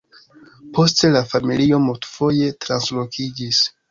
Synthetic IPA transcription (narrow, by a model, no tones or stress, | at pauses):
pʰo̞ste̞lafamilio̞multfo̞je̞tɾanslo̞kʰid͡ʒis